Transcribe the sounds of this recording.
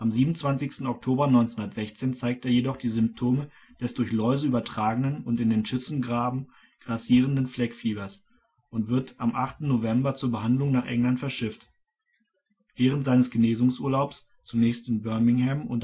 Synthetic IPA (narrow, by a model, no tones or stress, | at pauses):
ʔamziːbmnʊnt͡sv̥ant͡sɪçstn̩ɔk̚tʰoːbɐnɔʏnt͡sehʊndɐtz̥ɛçt͡seːnt͡saɪk̚teːɐjedɔχd̥iːzʏmp̚tʰoːmə | d̥ɛsd̥ʊɐçlɔʏzəyːbɐtʁ̥aːɡənənʊntɪndeːnʃʏt͡sn̩ɡʁaːbm̩ | ɡ̥ʁasiːʁ̞əndənflɛkfiːbɐs | ʔʊntv̥ɪɐtʔamʔaχtn̩ːovɛmbɐt͡suːɐbəɦandlʊŋnaːχʔɛ̰ŋlantfɛɐʃɪft | vɛːʁ̞əntz̥aɪnəsɡ̥əneːzʊŋsʔṵːɐlaʊps | t͡sunɛːçstɪnbœɐmɪŋhɛmʊ̰nt